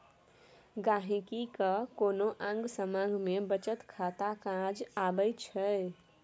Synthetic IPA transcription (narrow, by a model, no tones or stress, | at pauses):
ɡaɦĩkikəkonoʔãŋɡsəmãɡʱmebət͡ʃət̪kʰat̪akãd͡ʒabəjt͡ʃʰə